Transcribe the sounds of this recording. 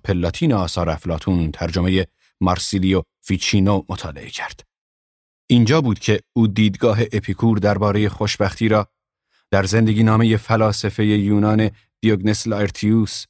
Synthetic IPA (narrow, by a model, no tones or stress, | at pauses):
pʰe̞lːɑːt̪ʰiːneɒːsɒːɾæflɑːt̪ʰuːnt̪ʰæɾd͡ʒome̞je̞ | mɑɾsilijo | fiːt͡ʃʰiːnomot̪ʰɒ̰ːle̞ʔecʰæɾd̪̥ | ʔiːnd͡ʒɒːbuːd̪̥cʲʰe̞uːd̪iːd̪ɡɒːɦe̞ʔepʰikʰuːɾd̪æɾbɒːɾe̞je̞χoʃbæxt̪ʰiːɾɒː | d̪̥æɾze̞nd̪e̞ɡʲiːnɒːme̞je̞fælɒːse̞fe̞je̞juːnɒːne̞ | d̪̥ijoɡnesleɾt̪ʰius